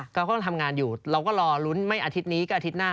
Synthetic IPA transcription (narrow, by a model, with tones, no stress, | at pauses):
ka˧wkɔː˥˩t̪ʰa˧mŋaː˧njuː˨˩ɾa˧wkɔː˥˩ɾɔː˧lu˦˥nma˥˩jʔaː˧t̪ʰi˦˥niː˦˥kaː˥˩a˧t̪ʰi˦˥t̪̚naː˥˩